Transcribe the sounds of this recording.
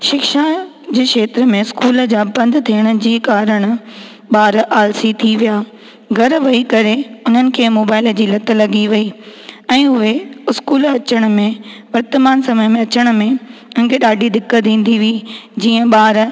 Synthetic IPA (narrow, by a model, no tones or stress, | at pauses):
ʃɪkʃa | d͡ʑeːʃeːt̪ɾəmẽɪskuːld͡ʑaːbɐ̃nd̪t̪ʰiːəɽ̃ʊ̆d͡ʑiːkaːɾəɽ̃̆ | ɓaːɾʔaːlsit̪ʰiʋijaː | ɡʱɐɾʋɐikɐɾeʊn̤ənɪ̆kʰeːmoːbaːɪləd͡ʑiːlɐt̪ə̆lɐɡiʋɐiɛ̃ːʊɦeɪskuːlɐt͡ɕəɽ̃̆mẽʋɐɾt̪əmaːnsɐməjmẽɐt͡ɕəɽ̃mẽʊnɪ̆kʰeːɗaːɖʱid̪ɪkːət̪̚d̪ĩːn̆d̪iʋid͡ʑiːə̃ɓaːɾ